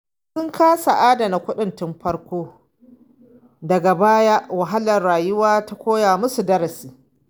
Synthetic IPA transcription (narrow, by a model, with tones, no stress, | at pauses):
sʊ˦ŋkʰaː˦sa˨ʔaː˦da˨na˨kʷʊ˦ɗɪ˨ntɪ˦mɸɐ˦ɽkʷoː˦ | dɐ˨ɡa˨baː˦ja˦ʔwɐ˨ɦa˦lɐ˨rɽaː˨jʊ˦waː˦ta˦kʷoː˦jaː˨mʊ˦su˨dɐ˦ɾɐ˨siː˦